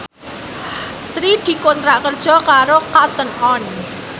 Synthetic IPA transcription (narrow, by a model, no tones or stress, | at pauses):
sɾid̪̥i̤kont̪ɾaʔkərd̥ʒ̥ɔ̤kaɾokat̪ənɔn